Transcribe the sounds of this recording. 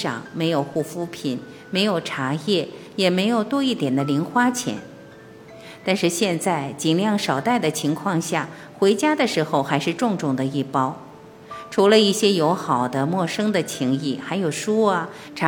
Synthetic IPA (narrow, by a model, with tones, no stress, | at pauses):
ɑ̰˨˩ŋme˧˥ɪjo˨˩ʊxu˥˩fu˥pʰi˨˩n | me˧˥ɪjo˨˩ʊʈ͡ʂʰa˧˥jɛ˥˩jɛ˨˩me˧˥ɪjo˨˩ʊt̪wɔ˥i˥˩t̪jɛ˨˩nd̪ə˦li˧˥nxwa˥t͡ɕʰjɛ̰˧˥n | t̪a˥˧nʂɻ̩˥˧ɕjɛ˥˧nt͡sa˥˩ɪt͡ɕi˨˩nljɑ˥˩ŋʂɑ˨˩ʊt̪a˥˩ɪd̪ə˩t͡ɕʰi˧˥ŋkʰwɑ˥˧ŋɕja˥˩ | xwe˧˥ɪt͡ɕja˥d̪ə˨ʂɻ̩˧˥xo˥˧ʊxa˧˥ɪʂɻ̩˥˧ʈ͡ʂʊ˥˧ŋʈ͡ʂʊ˥˩ŋd̪ə˩i˥˩pɑ˥ʊ | ʈ͡ʂʰu˧˥lə˧i˥˩ɕjɛ˥jo˧˥ʊxɑ˨˩ʊd̪ə˦mwɔ˥˩ʂɤ˥ŋd̪ə˨t͡ɕʰi˧˥ŋi˥˩xa˧˥ɪjo˨˩ʊʂu˥ɐ˨˧ | ʈ͡ʂʰ